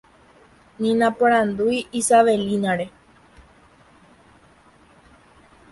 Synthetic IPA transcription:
nĩnãpoɾ̃ãnd̪ujʔisaʋelinãɾe

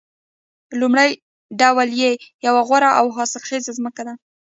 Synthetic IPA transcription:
lumɽaj | ɖawljejawaɣwaɾaʔawɦɑsɪlxezazməkad̪a

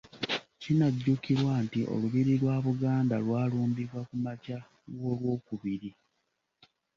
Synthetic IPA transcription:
cinaɟːukiɾwantiʔo̞̰luβiɾilwaːβuɡaːndalwaːluːmbivakumaca | ɡoːlwo̞ːkuβiɾi

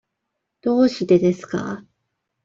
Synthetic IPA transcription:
d̪̥o̞ːɕid̪e̞d̪e̞sɨ̥ka̰

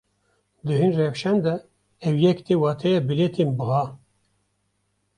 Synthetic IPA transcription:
d̪ɨɦɨnrɛfʃɛnd̪ɛ | ɛwjɛkt̪ʰewɑːt̪ʰɛjɛbilet̪ʰenbɨɣɑː

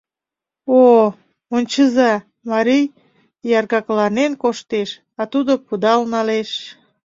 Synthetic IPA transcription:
o | onʲt͡ɕəzɑ | mɑɾij | jɑrɣɑklɑnenkoʃt̪eʃ | ɑt̪ud̪opud̪ɑlnɑleʃ

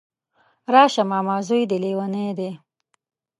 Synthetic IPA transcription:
ɾɑːʃamɑːmɑːzujd̪elewaned̪e

